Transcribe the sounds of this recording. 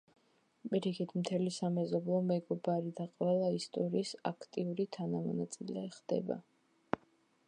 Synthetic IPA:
pʼiɾikʰit̪ʰmt̪ʰɛlisamɛzɔblˠɔmɛɡɔbaɾid̪aqʼwɛlˠaist̪ʼɔɾiːsa̰kʰt̪ʼiuɾit̪ʰanamɔnat̪sʼilɛχd̪̥ɛ̰ba̰

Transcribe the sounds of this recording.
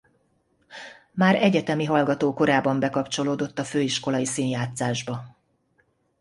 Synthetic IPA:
maːɾɛɟɛt̪ɛmiɦɒlɡɒt̪oːko̞ɾaːbɒmbɛkɒpt͡ʃo̞loːd̪o̞t̪ːɒføːiʃko̞lɒjisiːnjaːt̪saːʒbɒ

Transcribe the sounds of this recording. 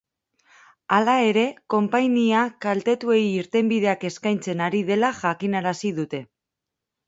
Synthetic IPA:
alae̞ɾe̞ko̞mpajniakalt̪e̞t̪ue̞jːɾt̪e̞mbiðe̞ake̞skajnt͡se̞naɾið̞e̞laʝakinaɾasiðut̪e̞

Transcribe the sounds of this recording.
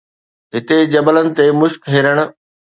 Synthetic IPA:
ɦɪt̪ed͡ʑɐbələnɪ̆t̪emʊʃkɦeːɾəɽ̃ʊ̆

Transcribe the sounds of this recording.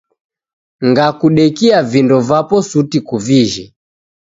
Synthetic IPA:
ŋɡakuɗɛkiavindɔvapɔsutikuviʒi

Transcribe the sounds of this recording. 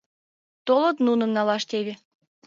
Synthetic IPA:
t̪olɤ̆t̪nunə̆mnɑlɑʃt̪eβe

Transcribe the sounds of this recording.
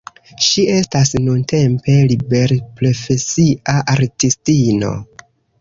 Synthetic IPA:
ʃie̞stasnunte̞mpe̞libe̞ɾpɾo̞fe̞siaʔaɾtistino̞̰

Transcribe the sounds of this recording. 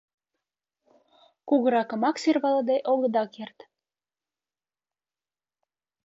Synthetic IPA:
kuɣəɾɑkə̆mɑksyrβɑləd̪eʔoɣə̆d̪ɑkert̪

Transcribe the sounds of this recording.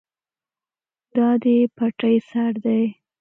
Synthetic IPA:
d̪ɑd̪epaʈajsaɾd̪aj

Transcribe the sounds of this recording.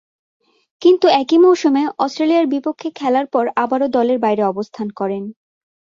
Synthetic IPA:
kint̪uɛkimɔʃomeɔstɾelijaɾbipokʰːekʰɛlaɾpɔɾabaɾod̪ɔleɾbajɾeɔbost̪ʰankɔɾen

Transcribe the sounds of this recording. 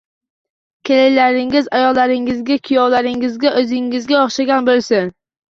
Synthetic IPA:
kʲʰelejlaɾɪŋɪzajɒlːaɾɪŋɪzɡʲakʲʰijɒwlaɾɪŋɪzɡʲaʔɵzɪŋːɪzɡʲaɒχʃaɡʲanbolˠsɪn

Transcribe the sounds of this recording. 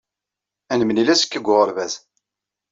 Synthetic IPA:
ænəmənilæsə̥kːəɡʷʊʁəɾvæz

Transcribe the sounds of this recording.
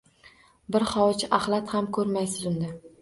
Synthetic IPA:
bɪɾχɒwt͡ʃʰaχlˠat̪hamkʰɵɾmajsɪzʊnd̪a

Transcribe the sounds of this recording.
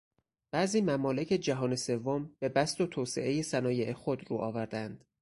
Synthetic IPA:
b̥æʔziːmæmɒːle̞cʰe̞d͡ʒæɦɒːne̞se̞vːomb̥e̞bæst̪ot̪ʰoːsḛʔe̞jesænɒːje̞ʔexod̪ɾuːʔɒːvæɾd̪ænd̪̥

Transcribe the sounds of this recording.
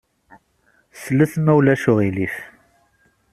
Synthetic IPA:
sləθmæwlæʃʊʁilif

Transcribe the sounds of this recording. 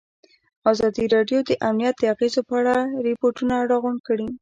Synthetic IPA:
ɑzɑd̪iɾɑɖjod̪əʔamnijat̪̚d̪əaɣezopəaɽaɾɪpoɾʈunaɾɑɣʊɳɖkəɽi

